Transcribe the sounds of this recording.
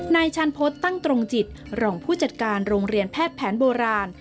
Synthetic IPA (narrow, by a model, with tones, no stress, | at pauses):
naː˧jt͡ɕʰa˧npʰo˦˥t̪ːa˥˩ŋt̪ɾo˧ŋt͡ɕi˨˩t̪̚ | ɾɔː˧ŋpʰuː˥˩t͡ɕa˨˩t̪̚kaː˧nɾoː˧ŋɾi˧ənpʰɛː˥˩t̪̚pʰɛː˩˦nboː˧ɾaː˧n